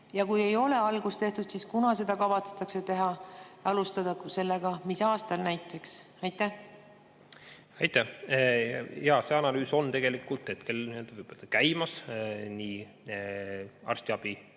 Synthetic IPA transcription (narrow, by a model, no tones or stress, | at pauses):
jɑkuje̞jo̞le̞ɑlɡ̥ust̪e̞ht̪ud̪̥siskunɑse̞d̪̥ɑkɑvɑt̪set̪ːˑɑkse̞t̪e̞ɦɑɑlust̪ɑd̪ɑse̞lːeɡ̥ɑmisɑːst̪ɑlnæjt̪ːˑe̞ks | ɑjt̪ːˑæh | ɑjt̪ːˑæh | jɑːse̞ɑnɑlyːso̞nt̪e̞ɡ̥e̞likːˑult̪ːˑet̪ke̞lniøld̪̥ɑvɯjb̥oøld̪̥ɑkæjmɑsniː | ɑ̰rst̪iɑb̥i